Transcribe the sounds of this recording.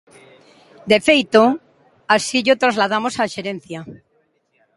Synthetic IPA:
d̪efejt̪o | asiʎot̪ɾazlað̞amosaʃeɾẽnθja

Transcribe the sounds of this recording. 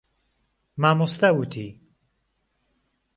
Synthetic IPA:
maːmost̪awut̪ʰi

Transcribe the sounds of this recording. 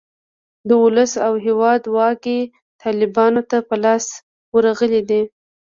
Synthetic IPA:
d̪əʊləsawɦewɑd̪wɑke | t̪ʰɑlɪbɑnot̪apəlɑs | wəɾaɣəlid̪i

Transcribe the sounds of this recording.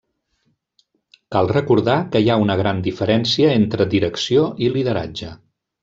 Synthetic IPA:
kalˠrəkuɾðakəjaunəɣ̞ɾand̪ifəɾɛnsiəent̪ɾəd̪iɾəksioiliðəɾa̰d͡ʒə

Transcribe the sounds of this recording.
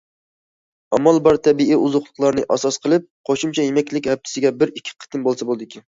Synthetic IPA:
ɑmɑlˠbɑɾt̪ʰɛbiiuzʊχlˠəqlˠɑɾnɨʔɑ̰sɑsqʰəlˠɨp̚qʰoʃumt͡ʃʰɛjemɛkʲlɪkʲhɛp̚t̪ʰɪ̥sɪɡʲɛbɪɾikʲʰːi̥qʰə̥t̪ɨnbolˠsɛbolˠd̪ɪkʲʰi

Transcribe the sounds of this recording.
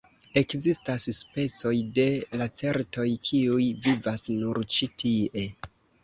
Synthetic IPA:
e̞kzistasspe̞t͡so̞jde̞lat͡se̞ɾto̞jkʰiujvivasnuɾt͡ʃitʰie

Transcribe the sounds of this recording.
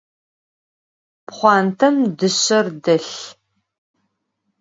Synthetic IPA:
pχʷɑːntʰɐmdɨɕɐrdɐɬ

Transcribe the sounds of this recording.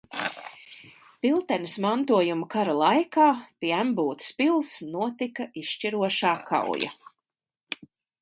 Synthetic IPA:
pilˠt̪ɛnismant̪uɔjumukaɾalˠajkaːpʲiæmbuːt̪spilˠsnuɔt̪ikaiʃt͡ʃiɾuɔʃaːkʰa̰w̰ja̰

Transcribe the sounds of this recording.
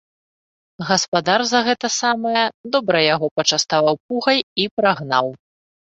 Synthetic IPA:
ɣɐspad̪arzɐɣɛt̪ɐsamɐjɐd̪ɔbɾɐjaɣɔpɐt͡ʂast̪avawpuɣɐjipɾaɣnaw

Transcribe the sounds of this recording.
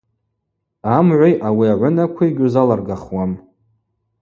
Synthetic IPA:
amʕʷajʔawiaʕʷʊnakʷʰaiɡʲʊzalarɡaχwam

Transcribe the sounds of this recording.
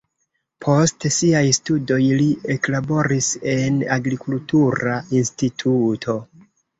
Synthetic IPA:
pʰo̞stsiajstudo̞jlie̞klabo̞ɾise̞naɡɾikultuɾainstitʰutʰo̞

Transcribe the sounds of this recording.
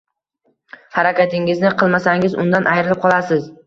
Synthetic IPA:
haɾakʲat̪ʰɪŋɪznɪqʰɨlˠmasaŋɪzʊ̰nd̪anʔajɾɪlɪp̚qʰɒlˠasɪz

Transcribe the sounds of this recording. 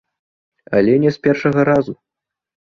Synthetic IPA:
a̰lʲɛnʲɛspʲɛrʂɐɣɐɾazu

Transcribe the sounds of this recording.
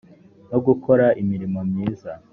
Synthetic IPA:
no̞ɡuko̞ɾaʔimiɾimo̞mɲiːza

